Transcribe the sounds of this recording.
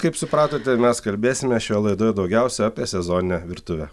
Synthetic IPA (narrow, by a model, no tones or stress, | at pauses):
kɐɪpsʊpɾɑːt̪oːt̪ʲɛmʲɛskɐlʲbʲeːsʲɪmʲɛʃʲoːjɛlˠɐɪd̪oːjɛd̪ɒʊɡʲɛʊsʲɛɑːpʲeɛsʲɛzoːnʲɪnʲɛʋʲɪɾt̪ʊʋʲɛ